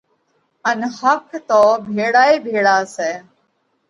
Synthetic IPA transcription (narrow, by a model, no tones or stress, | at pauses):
ənhəkʰt̪oːbʱeːɽaːiːbʱeːɽaːsɛː